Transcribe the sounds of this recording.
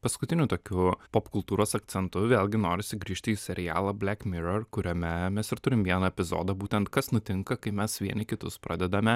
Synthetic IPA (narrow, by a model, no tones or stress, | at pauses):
pɐskʊt̪ʲɪnʲʊt̪oːkʲupopkʊlˠt̪uːɾoːsɐk̚t̪sʲɛnt̪ʊʋʲeːlʲˠɡʲɪnoːɾʲɪsʲɪɡɾʲiːʃʲt̪ʲɪːsʲɛɾʲɪjæ̰ːlˠɐbʲlʲækmʲɪɾɐrkʊɾʲomʲɛmʲɛsɪɾt̪ʊɾʲɪmʋʲiɛnɐɛpʲɪzo̰ːd̪ɐbuːt̪ʲɛnt̪kɐsnʊt̪ʲɪŋkɐkɐɪmʲɛsʋʲiɛnʲɪkʲɪt̪ʊspɾɑːdʲɛd̪ɐmʲɛ